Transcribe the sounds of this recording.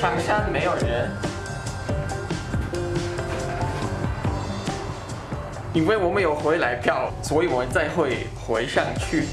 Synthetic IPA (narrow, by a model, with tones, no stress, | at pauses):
ʈ͡ʂʰɑ˧˥ŋʂa˥nme˧˥ɪjo˨˩ʊɻə˧˥n | i˥nwe˥˩ɪwɔ˨˩mə˧˦njo˨˩ʊxwe˧˥ɪla˧˥ɪpʰjɑ˥˩ʊswɔ˧˥i˨˩wɔ˨˩mə˦nt͡sa˥˧ɪxwe˥˩ɪ | xwe˧˥ɪʂɑ˥˧ŋt͡ɕʰy˥˩